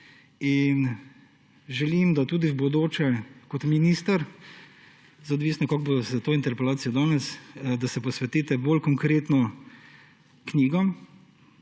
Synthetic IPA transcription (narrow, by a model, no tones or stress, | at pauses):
in | ʒɛlimd̪at̪uːd̪iwbod̪oːt͡ʃɛkɔt̪miniːst̪ɐɾ | zaɔd̪ʋiːsnɔkɔɡ̚bosat̪oːint̪ɛɾpɛlaːt̪sijɔd̪ɔːnɛsd̪asɛpɔsʋɛt̪iːt̪ɛboːlkɔŋkɾeːt̪nɔ | kniːɡɔm